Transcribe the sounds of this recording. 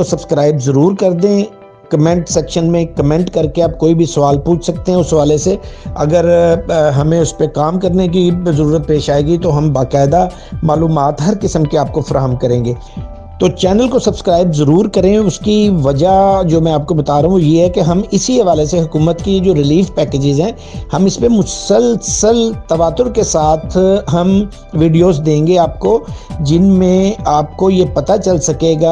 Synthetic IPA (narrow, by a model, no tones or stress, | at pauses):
osɐbskɾaːɪbzɐɾuːɾkɐɾd̪ẽ | kɐmɛ̃ɳʈsɛːkʃənmẽkɐmɛ̃ɳʈkɐɾkeaːp̚koːibʱisɐʋaːlpuːt͡ʃʰsɐk̚t̪ẽɦɛ̃ʊsɦɐʋaːleseɐɡəɾɦɐmẽʊspekaːmkɐɾnek̬izɐɾuːɾət̪̚peːʃaːeːɡit̪oɦɐmbaːkaːɪd̪a | maːluːmaːt̪ɦɐɾkɪsəmkeaːp̚kofɐɾaːɦəmkɐɾẽːŋɡeː | t̪oːt͡ʃɛːnəlkosɐbskɾaːɪbzɐɾuːɾkɐɾẽʊskiʋɐd͡ʒad͡ʒoːmɛ̃aːp̚kobɐt̪aːɾɐɦũɦũjeɦɛkeɦɐmɪsiɦɐʋaːleseɦʊkuːmət̪kid͡ʒoːɾɪliːfpɛːkeːd͡ʒɪzɦɛ̃ː | hɐmɪspemʊssəlsəlt̪ɐʋaːt̪ːʊɾkesaːt̪ʰɦɐm | ʋiːɖijoːzd̪ẽːŋɡeaːp̚kod͡ʒɪnmẽaːp̚kojepɐt̪at͡ʃɐlsɐkeːɡaː